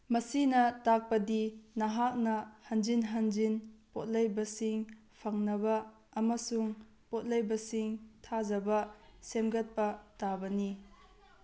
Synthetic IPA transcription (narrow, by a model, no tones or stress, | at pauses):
mɐsinɐtak̚pɐdinɐɦak̚nɐhɐnd͡ʒinɦɐnd͡ʒinpot̚lɐjbɐsiŋ | pʰɐŋnɐbɐː | mɐsuŋ | pot̚lɐjbɐsiŋtʰazɐbɐsemɡɐt̚pɐtabɐni